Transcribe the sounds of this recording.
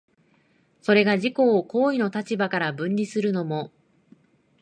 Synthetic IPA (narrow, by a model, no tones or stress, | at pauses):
so̞ɾe̞ɡaʑiko̞ːko̞ːino̞t̪at͡ɕibakaɾabɯ̟̃ɲʲɾʲisɨɾɯ̟no̞mo̞